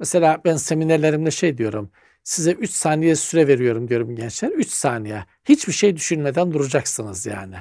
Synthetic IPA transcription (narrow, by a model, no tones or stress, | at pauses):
meselʲaːbænse̞mineɾlʲe̞ɾimlɛʃejd̪ijo̞ɾum | sizɛʔyt͡ʃsaːnijɛsyɾɛve̞ɾijo̞ɾumd̪ijo̞ɾumɟɛnt͡ʃlʲæɾyt͡ʃsaːnijɛ | hit͡ʃbiʃejd̪yʃynmed̪ænd̪uɾud͡ʒaksɯnɯzja̰ːnɪ